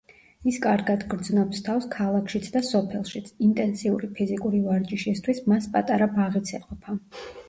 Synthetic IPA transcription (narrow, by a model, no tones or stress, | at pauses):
iskʼaɾɡad̪ɡɾd̪znɔpst̪ʰafskʰalˠakʰʃit̪sʰd̪asɔpʰɛlˠʃit̪sʰint̪ʼɛnsiuɾipʰizikʼuɾivaɾt͡ʃʼiʃist̪ʰwismaspʼat̪ʼaɾabaʁit̪sʰɛqʼɔpʰa